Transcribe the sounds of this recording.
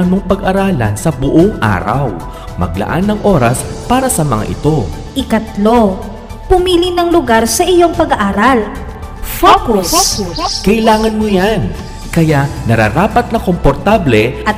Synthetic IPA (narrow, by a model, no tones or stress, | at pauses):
ɐnmoŋpɐɡʔɐɾaːlɐ̰nsɐbʊʔoŋʔa̰ːɾɐ̰w | mɐ̰ɡ̚lɐ̰ʔa̰nːɐŋʔoːɾɐspaːɾɐsɐmɐ̰ŋa̰ʔɪ̰t̪o̞ | ʔɪkɐt̪lo̞ | pʊmiːlinɐŋlʊɡaɾsɐʔɪjo̞ŋpɐɡɐʔaːɾɐl | fokuskɐʔɪlaːŋɐnmojan | kɐjaʔnɐɾa̰ɾaːpɐt̪̚nɐko̞mpoɾt̪ablɛɐ